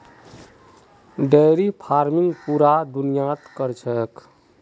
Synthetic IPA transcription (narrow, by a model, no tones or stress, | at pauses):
ɖəjɾipʰaɾmiŋɡpuɾad̪unijat̪kəɾt͡ʃʰək